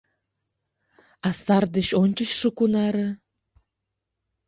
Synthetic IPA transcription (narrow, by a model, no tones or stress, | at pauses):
ɑsɑrd̪ə̆ɕonʲt͡ɕə̆ɕʃəkunɑɾɤ̆